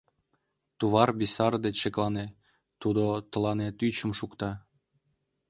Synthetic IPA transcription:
t̪uβɑrbisɑrd̪et͡ɕʃeklɑne | t̪ud̪ot̪ə̆lɑnet̪yt͡ɕə̆mʃukt̪ɑ

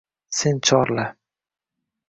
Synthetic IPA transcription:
sent͡ʃʰɒɾla

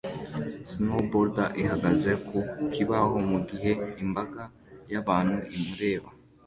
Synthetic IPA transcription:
snoboɾdaʔiɦaɡaze̞kʰokʰiβahomuɡiɦe̞imbaɡa | jaβaːn̥huʔimuɾe̞ːβa

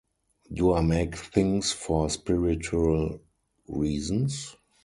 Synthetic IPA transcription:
duaɪmeɪkθɪ̃ŋsfɔspɪɹɪt͡ʃuəl | ɹiːzə̃ns

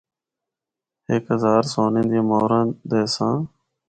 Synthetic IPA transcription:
ɦɪkɦəzaːɾsoːnẽːnd̪ẽːmoːɾãːd̪eːsãː

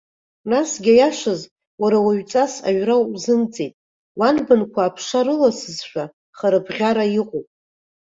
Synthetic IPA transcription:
nasɡʲajaʃʷaz | waɾawaɥt͡sʼasa̰ɥrazɨmt͡sʼejtʼ | wanbɨnkʷʰaːpʰʂaɾɨlasɨzʃʷᶣa | χaɾɨbʁʲaɾajiqʼopʼ

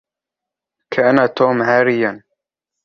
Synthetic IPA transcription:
kʰaʔanaːt̪oːmhaːɾɪjan

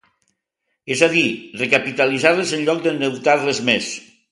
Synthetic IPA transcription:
ezaðirekapit̪alizaɾləzənʎɔk̚d̪ənəwt̪aɾləzmes

